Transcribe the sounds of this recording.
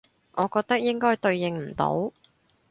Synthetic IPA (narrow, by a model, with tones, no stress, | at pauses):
ʔɔː˨˧kɔː˧k̚t̪ɐ˥k̚jɪ˥ŋkɔː˥jt̪ɵ˧ɥjɪ˨ŋm̩˨˩t̪o̰˨˥w